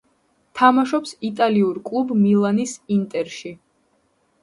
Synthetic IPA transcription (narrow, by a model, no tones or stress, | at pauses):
t̪ʰamaʃɔpsit̪ʼaliuɾkʼlˠubmilˠanisint̪ʼɛɾʃi